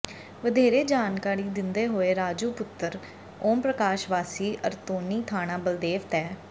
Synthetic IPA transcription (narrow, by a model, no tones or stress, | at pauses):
ʋəd̪eːɾeːd͡ʒaːnkaːɾiːd̪ɪnd̪eːɦoːeːɾaːd͡ʒuːpʊt̪ːəɾ | oːmpɾəkaːʃʋaːsiːʔə̰ɾt̪oːniːt̪ʰaːñãːbəld̪eːʋt̪ɛː